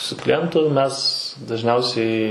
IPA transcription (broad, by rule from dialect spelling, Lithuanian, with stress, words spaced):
sʊ klʲɪˈjɛntʊ ˈmʲɛs dɐʒʲˈnʲɛʊsʲɛɪ